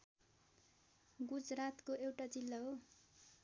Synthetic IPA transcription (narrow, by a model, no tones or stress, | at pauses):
ɡud͡zrat̪koewʈad͡zilːʌɦo